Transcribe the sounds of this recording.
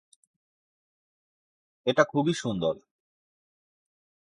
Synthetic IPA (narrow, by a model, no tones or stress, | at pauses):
eʈakʰubiʃund̪ol